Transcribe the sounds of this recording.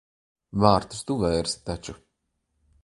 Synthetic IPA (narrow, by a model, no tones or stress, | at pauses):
vaːɾt̪u̥st̪uvɛjɾst̪at͡ʃu